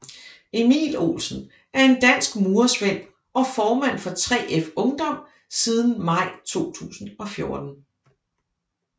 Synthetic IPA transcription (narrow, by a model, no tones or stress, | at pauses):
e̝mḭːlo̝̰ːlsn̩ | ʔæɐe̝nd̥æn̰sɡ̥muːɐsʋḛ̥ | ʔɒ̽fɒːmæn̰fɒ̽t͡sʰʁɛ̰ːefɔ̽ŋd̥ɒ̽m̰ | sið̞ˠn̩mɑ̈ɪ̰t͡sʰo̝̰ːt͡sʰṵːsn̩ɒ̽fjo̝ɐd̥n̩